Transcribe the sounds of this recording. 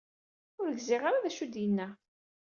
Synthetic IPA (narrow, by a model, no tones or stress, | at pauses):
ʊɾəɡzɪʁaɾaðæʃud̪jənːæ